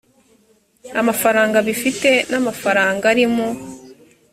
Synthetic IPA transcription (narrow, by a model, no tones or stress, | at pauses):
amafaɾaːŋɡaβifite̞namafaɾaːŋɡaɾimo